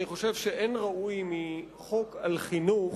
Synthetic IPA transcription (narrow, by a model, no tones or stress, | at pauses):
niχo̞ʃe̞vʃeʔenʁaujmi | χo̞kalχinuχ